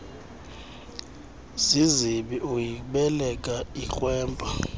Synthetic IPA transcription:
siziɓiʔujiɓɛlɛkʼaik͡xwɛːmpʼa

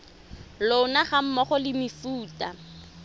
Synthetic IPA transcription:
loʊnaχam̩mɔχɔlɪmɪfuːta

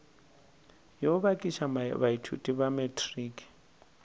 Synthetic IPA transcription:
jɔβakʼiʃamabaitʰṵtʼiβamɛtʰʼriːkʼi̥

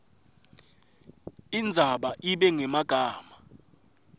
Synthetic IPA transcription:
ind͡zʱaɓaʔiɓɛŋɛmaɡ̥ʱaːma

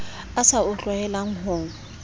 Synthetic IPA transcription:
asaʊt͡ɬʼwaɛlaŋ̩ɦoːŋ̩

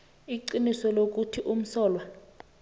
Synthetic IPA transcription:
iǀinisɔlok̬utʰiʔum̩sɔːlwa

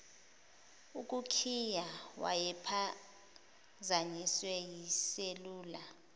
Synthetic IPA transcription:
uk̬ʼukʰijawa̰jɛpʰa | zaɲiswɛjiseluːla

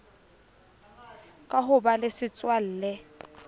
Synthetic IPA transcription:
kʼaɦʊbalɪsɪt͡sʼwal̩ːlɛ

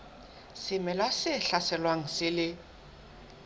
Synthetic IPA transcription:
sɪmɛlwasɪɬasɛlwaŋ̩sɪlɪ

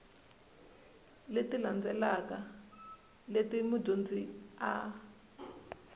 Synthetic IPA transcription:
letiland͡zɛlaka | letimu̥dond͡zia̰

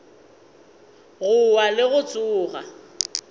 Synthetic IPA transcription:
ɣʊwalɪɣʊt͡sʼʊːɣa

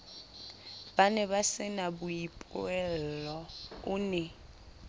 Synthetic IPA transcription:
b̥anɛβasɪnabuipʼɛllɔunɛ

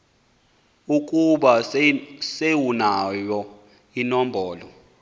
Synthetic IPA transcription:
ukʼuɓa | sewunajɔ | inɔmbʱɔːlɔ

